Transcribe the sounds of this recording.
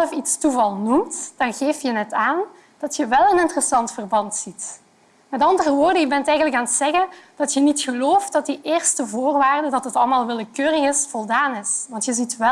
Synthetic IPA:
ləfitstuvɑlˠnumtd̥ɑnɣeːftjənɛtaːn | d̥ɑtjəʋɛlˠənɪntərəsɑntfərbɑntsit | mɛtɑndərəʋoːrdənjəbɛntɛjɣənləkaːnətsɛɣənd̥ɑtjənitxəloːft̚dɑt̚diʔeːrstəvoːrʋaːrdədɑtɦətɑlˠmaːlˠʋɪləkøːrəɣɪsfɔlˠdaːnɪsʋɑntjəzitʋɛ

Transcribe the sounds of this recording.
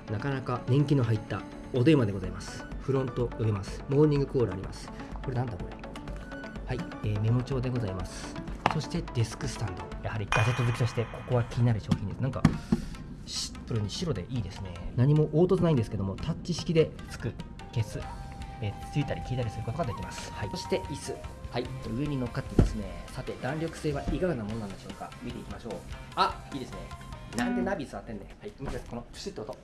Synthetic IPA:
nakanakanẽ̞ŋkʲino̞ɦait̪ːa | od̪e̞ːmad̪e̞ɡo̞zaimasɨ̥ɸɯ̟ɾõ̞nt̪o̞jobʲimasɨ̥mo̞ːɲ̟ĩŋɡɯ̟ko̞ːɾɯa̰ɾima̰sɨ̥ | ko̞ɾe̞nãnd̪ako̞ɾḛ | hai | eːme̞mo̞t͡ɕo̞ːd̪e̞ɡo̞zaimasɨ̥so̞ɕi̥t̪e̞d̪̥esɨ̥kɯ̟sɨ̥t̪ãnd̪o̞jahaɾʲiɡ̥ad͡ʑe̞t̪ːozɨki̥t̪o̞ɕi̥t̪e̞kʰo̞̥ko̞βakʲiɲ̟inaɾɯ̟ɕo̞ːçĩnd̪esɨnãŋka̰ | ɕi̥pːɯ̟ɾɯ̟ɲ̟iɕiɾo̞d̪e̞ʔiːd̪e̞sɨne̞naɲ̟imo̞ʔoːt̪o̞t͡sɨnaĩnd̪esɨ̥ke̞d̪o̞mo̞t̪ʰat͡ɕiɕi̥kʲid̪e̞ | t͡sɨ̥kɯ̟ | ke̞sɨet͡sɨit̪aɾʲikʲiːt̪aɾʲisɨɾɯ̟ko̞t̪o̞ɡad̪e̞kʲimasɨ̥haioɕi̥t̪e̞ʔisɨhaiɯ̟e̞ɲ̟ino̞kːat̪ːed̪esɨne̞sat̪e̞d̪ãnɾʲo̞kɯ̟̥se̞ːβaʔiɡaɯ̟namo̞noãnd̪eɕo̞ːka̰mʲit̪e̞ikʲimaɕo̞ːaiːd̪e̞sɨne̞nãnd̪e̞nabʲisɨat̪ːẽ̞nːehaimit̪asko̞nokʲɯ̥sɨt̪ːkot̪o

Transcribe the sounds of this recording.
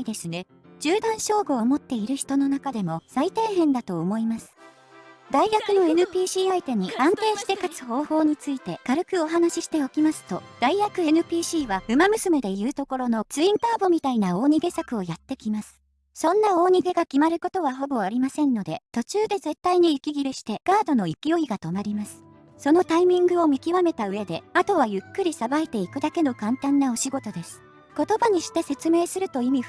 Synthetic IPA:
d̪e̞sɨne̞ | d͡ʑɨːd̪ãɰ̃ɕo̞ːɡo̞ːmo̞t̪ːe̞iɾɯ̟çi̥t̪o̞no̞nakad̪e̞mo̞sait̪e̞ːɦẽ̞nd̪at̪o̞ːmo̞imasɨ̥ | d̪aiɡakɯ̟no̞e̞nɯ̟pʲiːɕiːait̪e̞ɲ̟iʔãnt̪e̞ːɕi̥t̪e̞kat͡sɨ̥ho̞ːho̞ːɲ̟it͡sɨit̪e̞kaɾɯ̟kɯ̟o̞ɦanaɕiɕi̥t̪e̞o̞kʲimasɨ̥t̪o̞d̪̥aiɡakɯ̟enɯ̟pʲiːɕiːβaɸɯ̟mamɯ̟sɨme̞d̪e̞jɯ̟ːt̪o̞ko̞ɾo̞no̞t͡sɨĩnt̪aːbo̞mʲit̪ainao̞ːɲ̟iɡe̞sakɯ̟o̞jat̪ːe̞kʲimasɨ̥ | sõ̞nːao̞ːɲ̟iɡe̞ɡakʲimaɾɯ̟ko̞t̪o̞βaɦo̞bo̞aɾʲimasẽ̞nːo̞d̪e̞t̪o̞t͡ɕɨːd̪e̞ze̞t̪ːaiɲ̟iːkʲiɡʲiɾɯ̟ɕi̥t̪e̞ɡ̥aːd̪o̞no̞ikʲijo̞iɡat̪o̞maɾʲimasɨ̥ | so̞no̞t̪aimʲĩŋɡɯ̟o̞mʲikʲiβame̞t̪aɯ̟e̞d̪e̞at̪o̞βajɯ̟kːɯ̟ɾʲisabaet̪e̞ikɯ̟d̪ake̞no̞kãnt̪ãnːao̞ɕiɡo̞t̪o̞d̪e̞sɨ̥ | ko̞t̪o̞baɲ̟iɕi̥t̪e̞se̞t͡sɨme̞ːsɨɾɯ̟t̪o̞imʲi

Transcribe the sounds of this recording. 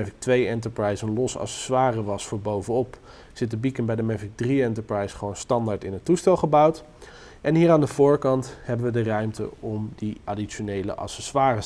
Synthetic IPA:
ɛfɪk̚tʋejɛntəɹprɑjsənlɔsɑ̰sɛ̥sʋaːrəʋɑsfʊːɹbowvənɔp | z̥ɪt̚əbikənbɛjdəmɛfɪk̚driɛntəɹprɑjsχəʋownstɑndaːɹtɪnɦətːustɛlˠχəbɑwt | ʔɛnɦiːɾaːndəvʊːɹkɑnthɛbənʋədərœɥmtə̰ɔmdiaːdit͡ʃonejlə̰ʔɑ̰sɛsʋaːrə

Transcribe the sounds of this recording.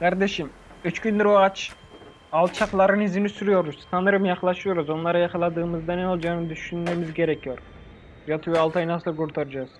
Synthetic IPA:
kʰaɾd̪e̞ʃim | yt͡ʃkynd̪yɾoat͡ʃ | alˠt͡ʃʰaqlˠaɾɯnizinisyɾyjo̞ɾuz̥sʰanɯɾɯmjaqlˠaʃɯjoɾuzo̞nlˠaɾajakʰalˠad̪ɯːmɯzd̪aneo̞lˠd͡ʒaːɯnɯd̪yʃynmemizɟe̞ɾecʰijo̞ɾ | jat̪ʰujalˠt̪ʰajnasɯlˠkuɾt̪ʰaɾad͡ʒaz̥

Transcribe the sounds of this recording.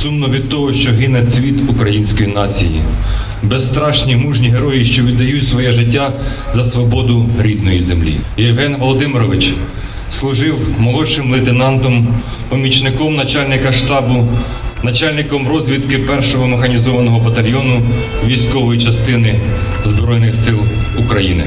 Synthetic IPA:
sumnɔʋʲid̪̚t̪ɔɦɔʃt͡ʃɔɦɪnesʲʋʲit̪ukɾɐjinʲsʲkɔjinɑt͡sʲḭjḭ | best̪ɾɑʃnʲimuʒnʲiɦeɾɔjiʃt͡ʃɔʋʲid̪ːɐjutʲsʋɔjɛʒɪtʲːa | zɐsʋɔbɔd̪ʊɾʲid̪nɔjizemlʲḭjɛwɦɛnʋɔlˠɔd̪ɪmɪɾɔʋɪt͡ʃ | slˠʊʒɪwmɔlˠɔʃɪmlˠɪt̪ɪnɑnt̪ɔm | pɔmʲit͡ʃnɪkɔmnɐt͡ʃɑlʲnɪkɐʃt̪ɑbʊ | nɐt͡ʃɑlʲnɪkɔmrɔzʲʋʲid̪kɪpɛrʃɔɦɔmexɐnʲizɔʋɐnɔɦɔbɐt̪ɐlʲjɔnʊ | ʋʲijsʲkɔʋɔjit͡ʃɐst̪ɪnɪzbɾɔjnɪxsɪlˠukɾɐjinɪ̰

